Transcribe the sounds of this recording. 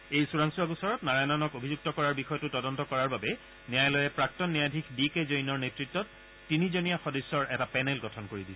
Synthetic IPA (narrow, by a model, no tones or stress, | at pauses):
ejsuɹaŋsuaɡusɔɹɔtnaɹajnanɔkobʱizuk̚tɔkɔɹaɹbixɔjɔtʊtɔdɔntɔkɔɹaɹbabɛ | nijajlɔjɛpɹak̚tɔnːijadʱikʰbikezojnɔɹnetɹitːɔtː | inizonijaxɔdɔsːɔɹʔɛtapɛnɛlɡɔtʰɔnkoɹidil